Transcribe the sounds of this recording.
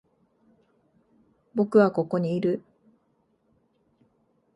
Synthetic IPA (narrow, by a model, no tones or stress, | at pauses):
bo̞kɯ̟βako̞ko̞ɲ̟iːɾɯ̟